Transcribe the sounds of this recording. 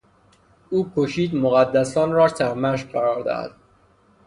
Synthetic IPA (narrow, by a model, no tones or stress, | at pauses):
uːkʰoʃiːd̪moɣæd̪ːæsɒːnɾɒːsæɾmæʃ̬ɢæɾɒːɾd̪æ̰hæ̰d̪̥̚